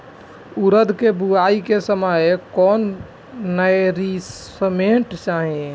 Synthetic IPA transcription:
uɾəd̪ʱkebuaikesəmajkɔːnː | əɾiəmeʈt͡ʃaɦẽ

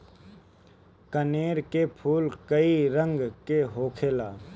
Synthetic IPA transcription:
kəneːɾkepʰuːlkəiɾə̃ŋɡkeɦoːkʰeːlaː

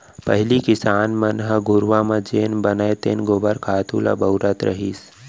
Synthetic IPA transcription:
pəɦɪlikɪsaːnmənɦəɡʱʊɾʋãmãd͡ʒeːnbənaet̪ḛːnɡoːbəɾkʰaːt̪ʰula̰bəwɾat̪ɾə̰ɦiːs

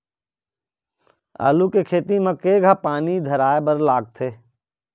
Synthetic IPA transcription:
a̰ːlukekʰeːt̪imɐkeːɡʱapaːnid̪ʱɐɾaːebəɾlaːɡ̚t̪ʰeː

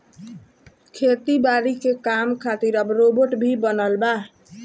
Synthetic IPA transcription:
kʰet̪ibaɾikekamkʰat̪iɾəbɾoboʈbʱibənəlba

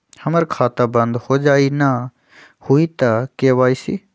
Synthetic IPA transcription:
həməɾkʰaːt̪abə̃nd̪hoːd͡ʒaːina | huit̪akeʋaːisḭ

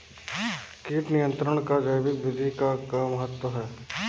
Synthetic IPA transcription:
kiːʈnijə̃nt̪ɾəɽ̃kad͡ʒəjbɪkʋɪd̪ʱikakmɐɦət̪wəɦɛː

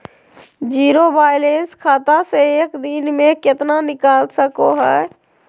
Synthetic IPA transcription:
d͡ʒiːɾobaːɪleːnskʰaːt̪aseeːkd̪ɪnmẽkɪt̪nanɪkaːlsəkoɦɛː

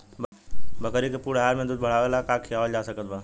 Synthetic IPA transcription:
bbʱəkəɾikepuːɽɦaːɾmẽd̪ud̪bʱəɽ̤aːʋelakakʰijaːʋəld͡ʒaːsəkəd̪ba

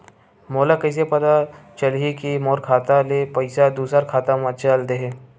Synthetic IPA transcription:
moːlakəɪs̬epɐd̪at͡ʃəlɦikimoːɾkʰaːt̪alepɐɪsad̪uːsəɾkʰaːt̪amãt͡ʃald̪eɦe

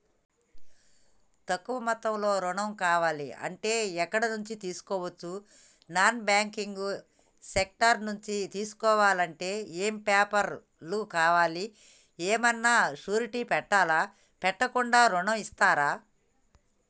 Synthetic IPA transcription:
t̪ɐkːuʋɐmɐt̪ɐmlo̞ːɾuɳɐmkaːʋaːlḭɐ̰ɳʈe̞ːɛkːɐɽɐnuɲt͡ʃit̪iːsu̥kɔːʋɐt͡ʃːu | naːnbaːŋkiŋɡu | sek̚ʈɐɾnuɲt͡ʃit̪iːsu̥kɔːʋaːlɐɳʈe̞ːeːmpaːpɐɾ | lukaːʋaːli | eːmɐnːaːʂuːɾiʈiːpɛʈːaːlaː | pɛʈːɐkuɳɖaːɾuɳɐmist̪aːɾaː

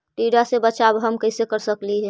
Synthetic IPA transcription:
ʈiːɖasebɐt͡ʃabɦɐmkəɪsekəɾsəkliɦɛː

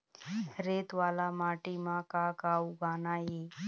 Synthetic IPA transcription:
ɾeːt̪ʋaːlamaːʈimãkakauɡaːnaɦiː

